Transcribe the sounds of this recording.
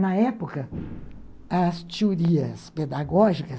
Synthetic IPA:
nɐɛpokɐ | ɐst͡ʃud̪iɐsped̪aɡɔʒikɐ

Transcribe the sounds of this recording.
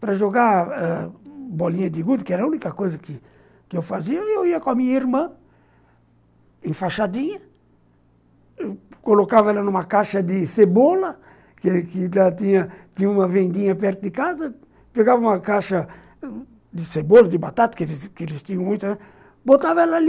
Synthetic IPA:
pɾɐʒoɡaɛbɔlĩɲɐd̪ɪɡud̪kɪɛɾɐunikɐkojzɐkɪ | kɪewfaziɐewiɐkõɐmĩɲɐiɾmɐ̃ | ẽfaʃad̪ĩɲɐ | kolokavɐɛlɐnũmɐkaʃɐd̪ɪsebolɐ | kekɪlat̪ĩɲɐt̪ĩɲũmɐvẽnd̪ĩɲɐpɛɾt̪ʊd̪ɪkazɐ | peɡavɐũmɐkaʃɐ | d̪ɪsebolɐd̪ɪbat̪at̪ɐ̥kelskelɪst̪ĩɲɐ̃w̃mũj̃t̪ã | bot̪avɐɛlali

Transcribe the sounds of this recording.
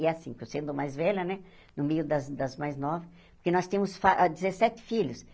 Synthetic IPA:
ɛasĩkʊsẽnd̪ʊmajzvɛʎɐnɛ | nʊmejʊd̪ɐzd̪ɐzmajznɔvɪ | poɾkenɔst̪ẽmʊsfaʔd̪izesɛt̪ɪ̥fiʎʊs

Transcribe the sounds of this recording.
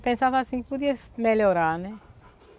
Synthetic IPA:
pẽnsaːvasĩŋkipud̪iasmeljoɾanɛ

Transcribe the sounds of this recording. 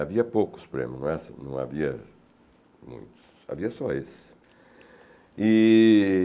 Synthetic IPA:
aviɐpowkʊ̥spoɾḛ̃mʊnɐ̃w̃ɛsnɐ̰̃w̃a̰viɐ̰ | mṵ̃j̃t̪ʊ̥sa̰viɐsɔesɪ̥ | i

